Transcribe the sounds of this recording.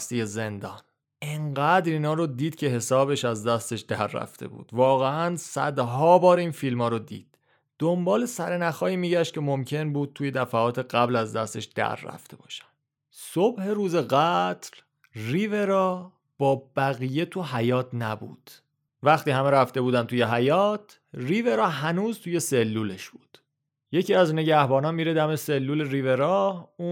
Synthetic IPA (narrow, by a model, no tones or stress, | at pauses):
st̪ijeze̞nd̪ɒːn | ʔeɴɢæːd̪ɾiːnɒːɾod̪iːd̪̥cʰe̞ɦe̞sɒːβe̞ʃæzd̪æst̪e̞ʃd̪̥æɾːæ̰ft̪ʰe̞̰bṵːd̪̥vɒːɣeænsæ̰d̪ɦɒːbɒːɾiːnfilmɒːɾod̪ḭːd̪̥̚ː | ombɒːle̞sæɾenæxɒːiːmiːɟæʃt̪̚cʰe̞mo̞mcʰe̞nbuːd̪̚t̪ʰuːje̞d̪æfæɒːt̪ʰe̞ɢæblæzd̪æst̪e̞ʃd̪̥æ̰ɾːæ̰ft̪ʰe̞bɒ̰ːʃæ̥nd̪ | sobhe̞ɾuːze̞ɣæt̪ʰl | riːve̞ɾɒ | b̥ɒːbæɣije̞t̪ʰuɦæjɒːt̪ʰnæbṵːd̪̥ | væxt̪iːhæmeɾæft̪e̞buːd̪æmt̪ʰuːje̞ɦæjɒːt̪ʰ | riːve̞ɾɒːɦænuːzt̪ʰuːje̞se̞lːuːle̞ʃb̥uːd̪̥ | je̞cʰiːæzne̞ɟæhbɒːnɒːnmiːɾed̪æmese̞lːuːle̞ɾiːve̞ɾɒːu